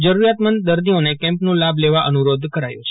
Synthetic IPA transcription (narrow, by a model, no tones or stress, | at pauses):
d͡ʒəɾuɾjat̪mənd̪əɾd̪ionekɛ̃mpnũlableʋaʔənuɾod̪kəɾajṵ̃t͡ʃʰe̥